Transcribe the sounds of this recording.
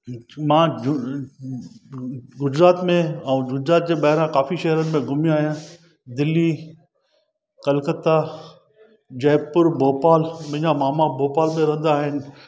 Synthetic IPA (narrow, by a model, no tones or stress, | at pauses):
mãː | ɡʊd͡ʑɾaːt̪mẽɛ̃ɡʊd͡ʑɾaːt̪̚d͡ʑeːɓɐɦɪɾãkaːfiʃɐɦɾənɪ̆mẽɡʱʊmijaːɦijã | d̪ɪlːi | kɐlkət̪a | d͡ʑɐːpʊɾbʱoːpaːlmɪ̃ɲãmaːmaboːpaːlmẽɾɐ̃ɦə̃n̆d̪aːɦɪnɪ̆